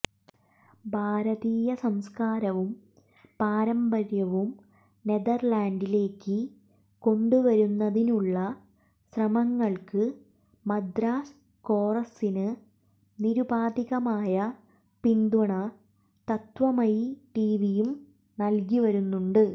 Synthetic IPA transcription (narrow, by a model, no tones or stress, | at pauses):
bʱaːɾɐðiːjɐsɐmskaːɾɐʋum | paːɾɐmbɐɾjɐʋum | ne̞ðɐrlaːɳɖile̞ːkːɨ | ko̞ɳɖuʋɐɾunːɐðinuɭːɐ | ɕrɐmɐŋːɐɭkɨ | mɐd̪raːs | ko̞ːrɐsinɨ | niɾubaːd̪iɣɐmaːjɐ | pind̪uɳɐ | t̪ɐt̪ʋɐmɐjʈiːʋijum | nɐlkiʋɐɾunːuɳɖɨ